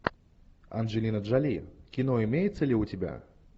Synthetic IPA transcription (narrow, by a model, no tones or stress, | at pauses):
ɐ̰nʐɨlʲinəʐalʲikʲinɔimʲejɛt̪sːəlʲiutʲɪbʲa̰